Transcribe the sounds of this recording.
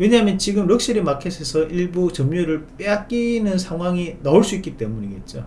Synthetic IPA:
we̞ɲaɦamjʌnt͡ɕiɡɯmɾɯk̚s͈iɾimakʰesʰesʰʌʔiɭbut͡ɕʌmɲuɾɯɭp͈eat̚k͈inɯnsʰaŋɦwaŋinaoɭs͈uik͈it͈e̞muɲiɡe̞t̚t͡ɕ͈o

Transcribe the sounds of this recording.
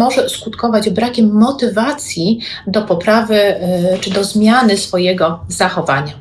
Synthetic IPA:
ɔʐɛskut̪kɔvad͡ʑbɾakʲɛmːɔt̪ɘvat̪sʲji | d̪ɔpɔpɾavɘt͡ʂɘd̪ɔzmʲjanɘsfɔjɛɡɔzaxɔva̰ɲa

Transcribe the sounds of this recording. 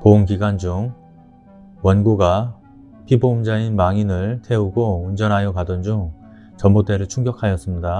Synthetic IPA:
pouŋkiɡwand͡ʑuŋ | wʌnɡuɡa | pʰiboumd͡ʑainmaŋinɯɭtʰe̞uɡound͡ʑʌnɦajʌkadʌnd͡ʑuŋ | t͡ɕʌmbot͈e̞ɾɯɭt͡ɕʰuŋɡjʌkʰajʌs͈ɯmɲida

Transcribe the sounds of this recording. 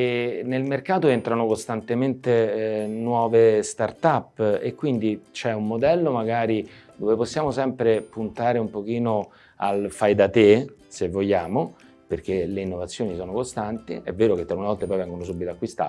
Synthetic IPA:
enelmerkaːt̪oent̪ɾanokost̪ant̪ement̪enwɔːvest̪art̪apːekːwind̪it͡ʃɛumːod̪ɛlːomaɡaːɾid̪oveposːjaːmosɛmpɾepunt̪aːɾeumpok̟iːno | a̰lfajd̪at̪esevːojːaːmo | perk̟eleinːovat̪sːjoːnisɔːnokost̪ant̪iɛvːeːɾok̟et̪ːɾaunevɔlt̪epɔjvɛŋɡonos̬ubːit̪oakːwist̪a̰ː

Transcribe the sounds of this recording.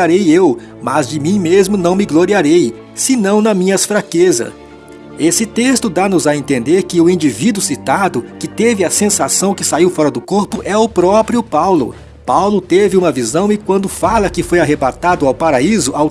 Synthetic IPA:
aɾejew | mɐzd͡ʒɪmĩmezmʊnɐ̃w̃mɪɡloɾiaɾej | sɪnɐ̃w̃nɐmĩɲɐsfɾakezɐ̰ | esɪt̪est̪ʊd̪anʊzɐẽnt̪ẽnd̪eɾkɪʊĩd͡ʒivid̪ʊsit̪ad̪ʊkɪt̪evɪɐsẽsasɐ̃w̃kɪsaiwfɔɾɐd̪ʊkoɾpʊʔɛʊpɾɔpɾiʊpawlʊ̰ | pawlʊt̪evɪũmɐvizɐ̃w̃ɪkwɐ̃nd̪ʊfalɐkɪfojaɦebat̪ad̪ʊawpaɾaizʊaw

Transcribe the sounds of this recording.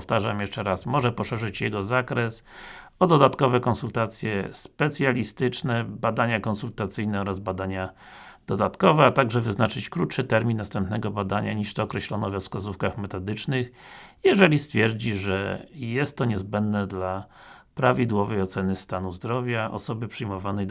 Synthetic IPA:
ɔft̪aʐamjɛʂt͡ʂɛɾasmɔʐɛpɔʂɛʐɘt͡ɕjɛɡɔzakɾɛsɔd̪ɔd̪at̪kɔvɛkɔnsult̪at̪sʲjɛ̰spɛt̪sʲjalʲist̪ɘt͡ʂnɛbad̪aɲakɔnsult̪at̪sɘjnɛɔɾazbad̪aɲad̪̥ɔd̪at̪kɔvɛat̪aɡʐɛvɘznat͡ʂɘt͡ɕkɾut̪ʂɘt̪ɛɾmʲinːast̪ɛmpnɛɡɔbad̪aɲaɲiʂt̪ɔːkɾɛɕlɔnɔvɛfskazufkaxmɛt̪ɔd̪ɘt͡ʂnɘxjɛʐɛlʲist̪fʲjɛɾd͡ʑiʐɛ̰jɛst̪ːɔɲɛzbɛnd̪nɛd̪la | pɾavʲid̪wɔvɛjɔt̪sɛnɘst̪anuzd̪ɾɔvʲjaʔɔ̰sɔbɘpʂɘjmɔvanɛj

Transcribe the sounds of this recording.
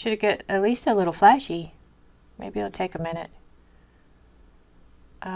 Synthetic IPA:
ʃɨdɡɛɾɨtˡlistəlɪɾl̩ˠflæʃi | mʔḛɪbiɨlˠtʰeɪkɨmɪ̃ñɨt̚ | ʔʌ

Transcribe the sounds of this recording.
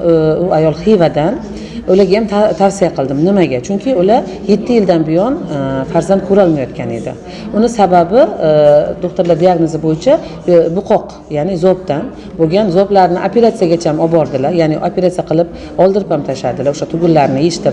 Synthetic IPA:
ʊajɒlˠχivad̪an | olaɡʲajamʰt̪ʰafsijaqʰɨlˠd̪ɪmnɪmaɡʲat͡ʃʰʊŋkʲʰɪʊla | je̞t̪ʰːɪjɪld̪anbɪjɒnfaɾzant̪̚kʰɵɾɒlˠmajɒt̪̚kʲane̞̰d̪ɪ̰ | ʊnɪsababɪ | d̪oχt̪aɾlad̪iaɡnozɪbojɪt͡ʃʰa | bʊqʰɒq | janɪzɒp̚t̪an | boɡʲanzɒblaɾnɪʔapʰe̞ɾat̪sijaɡʲat͡ʃʰaamɒbɒɾd̪ɪlajanɪapʰe̞ɾat̪sijaqʰɨlˠɪp | ɒlˠd̪ɪɾɪphamt̪ʰaʃad̪ɪlaoʃat̪ʰʊɡʲʊlːaɾnɪeʃt̪ɪɾ

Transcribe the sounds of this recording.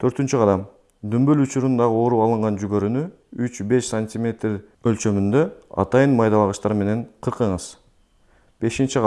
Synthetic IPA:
t̪ʰø̞ɾt̪ynt͡ʃyqʰɑd̪ɑm | d̪ymbølut͡ʃuɾund̪ɑʁɯo̞ɾuɑlˠɯɴʁɑnd͡ʒyɡø̞ɾyny | yt͡ʃbe̞ʃsanʲtʲimʲe̞t̪ʲ | ølt͡ʃø̞mynd̪ø̞ɑ̰t̪ɑjɯnmɑjd̪ɑβɑʁɯʃt̪ɑɾme̞ne̞ɴqʰɯɾqɯɴɯz̥ | b̥e̞ʃint͡ʃi

